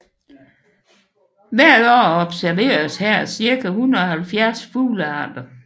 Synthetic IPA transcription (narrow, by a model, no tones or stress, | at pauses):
ʋæɐ̰d̥ɒ̰ːɒ̽b̥sæɐʋe̝̰ːɐshæɐ̰siɐɡ̥ʰæhunˠɐɒ̽hælfjæɐsfṵːləɑ̰̈ːd̥ɐ